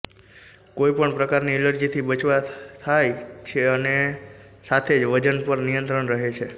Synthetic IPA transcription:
koipəɳpɾəkaɾniɛləɾd͡ʒit̪ʰibət͡ʃʋat̪ʰajt͡ʃʰeəne | sat̪ʰed͡ʒʋəd͡ʒənpəɾnijənt̪ɾəɳɾəɦet͡ʃʰe

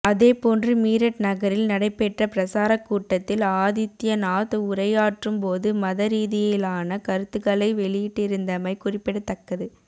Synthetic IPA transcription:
ɐðeːpoːndrɯmiːɾɐʈnɐɣɐɾɪlnɐɽɐɪpːɛʈrɐpɪɾɐsaːɾɐkːuːʈːɐt̪ːɪlaːðɪt̪ːɪjɐnaːðɯʊrɐjaːʈrɯmpoːðɯmɐðɐɾiːðɪjɪlaːnɐkɐɾɯt̪ːɯɣɐɭɐɪʋɛɭɪjɪʈːɪɾɯnd̪ɐmɐɪkʊrɪpːɪɽɯt̪ːɐkːɐðɯ

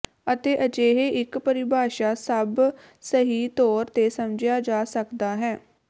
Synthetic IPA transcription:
ət̪eːʔəd͡ʒeːɦeːʔɪkpəɾɪbʱaːʃaːsəb | səɦiːt̪ɔːɾt̪eːsəmd͡ʒɪjaːd͡ʒaːsəkd̪aːɦɛː

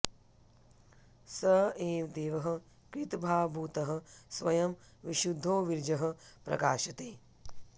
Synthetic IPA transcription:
sɐɦeːmd̪eːʋɐɦɐ̆ | kɾit̪bʱaːbʱuːt̪ɐɦɐ̆sʋɐjɐmʋiʃud̪ʱːoːʋiɾd͡ʒɐɦɐ̆pɾɐ̰kaːʃɐt̪eː

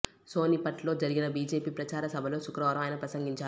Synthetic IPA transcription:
so̞ːnipɐʈlo̞ːd͡ʒɐɾiɡinɐbiːd͡ʒe̞ːpiːpɾɐt͡ʃaːɾɐsɐbʱɐlo̞ːʃukɾɐʋaːɾɐmɐːjɐnɐpɾɐsɐŋɡiɲt͡ʃaː

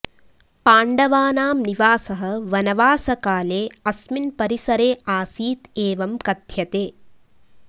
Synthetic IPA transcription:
paːɳɖɐʋaːnaːmniʋaːsɐɦɐ̆ʋɐnɐʋaːsɐkaːleːɐsminpɐɾisɐɾeːaːsiːt̪eːʋɐmkɐd̪ʱjɐt̪eː

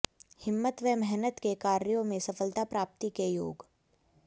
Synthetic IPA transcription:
hɪmːət̪ʋɛmɛɦnət̪kekaːɾjõmẽsɐfəlt̪apɾaːp̚t̪ikejo̰ːɡ

